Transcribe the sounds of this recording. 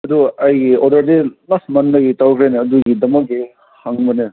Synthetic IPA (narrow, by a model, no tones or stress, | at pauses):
ɐduɐjɡiodɐɾdemɐsmɐndɐɡitawkʰɾenɐɐduɡidɐmɐk̚i | haŋbɐne